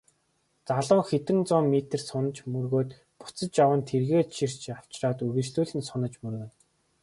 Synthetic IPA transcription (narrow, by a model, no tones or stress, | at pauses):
t͡saɮʊːxet̪ɘ̆nt͡sʊːmmːit̪ɘ̆rsʊnə̆t͡ɕmɵrɣoːt̪ | pʊ̥t͡sə̆t͡ɕjawə̆nt̪ʰerɣeːʃʰir̥t͡ɕaw̥t͡ɕraːt̪ɵɣɘ̆t͡ɕɮuːɮɘ̆nsɔnə̆t͡ɕmɵrɣɘ̆n